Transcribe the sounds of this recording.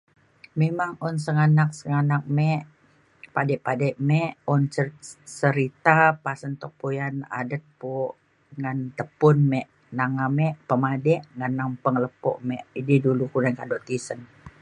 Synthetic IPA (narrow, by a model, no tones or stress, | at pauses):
memaŋɔnsəŋanak̚səŋanak̚mɛʔ | padɛʔpadɛʔmɛʔɔnsəɾit̪apasənt̪ɔk̚pojana̰dət̪̚po | ŋant̪əpʊnmɛʔ | naŋamɛʔpəmadɛʔŋanːampəŋləpɔ̰ʔmɛʔididulukuɾankadɔʔt̪isən